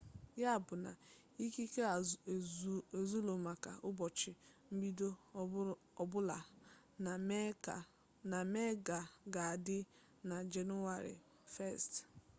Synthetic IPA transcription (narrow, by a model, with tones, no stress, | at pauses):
ja˦a˨bʊ˨na̰˨ | i˦ki˦ke˦˨ | e˨zu˦lo˨ma˨ka̰˨ʔʊ˦bɔ˨t͡ʃɪ˨m̩˦bi˦do˦ | ɔ˨bʊ˦la˨ | na˨˦˨ | na˨me˦ɡa˨ɡa˨a˨dɪ˦ | na˨d͡ʒe˨nu˦wa˨ɾɪ̰˨ | fɛ˦˨st